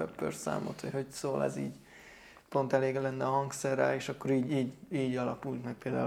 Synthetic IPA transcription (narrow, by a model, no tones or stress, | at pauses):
ɛ̰pːø̰rsa̰ːmo̰t̪hocho̞csoːlɛ̰zḭːɟ | po̞nt̪ɛleːɡlɛnːɛɒɦɒŋksɛrːɛːleːʃɒkːo̞ɾiːɟiːɟiːɟɒlɒkult̪mɛk̚peːld̪a̰ː